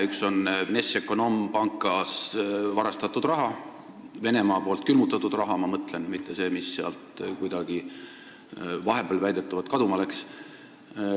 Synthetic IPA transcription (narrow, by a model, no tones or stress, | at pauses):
ykso̞nnesekːˑo̞no̞mpɑŋkːˑɑsvɑɾɑst̪ɑt̪ːˑud̪̥rɑɦɑ | ve̞ne̞mɑːpo̞ːlt̪̚ˑkylmut̪ːˑɑt̪ːud̪rɑɦɑmɑmɤt̪ˑle̞nmit̪ːe̞se̞ːmisːeɑ̰lt̪kujd̪̥ɑɡ̥i | vɑɦe̞belvæjd̪̥e̞t̪ːˑɑvɑd̪̥̚kɑd̪umɑle̞ks